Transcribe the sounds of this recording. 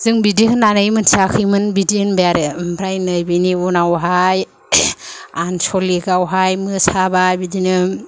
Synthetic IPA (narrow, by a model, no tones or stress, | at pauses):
z̥ɯŋbidiɦɯnanajmɯnsakʰɯjmɯnbidihɯnbejaɾɯmpʰɾajnɯjbiniunawɦaj | ansɔlikawɦajmɯsabajbidinɯ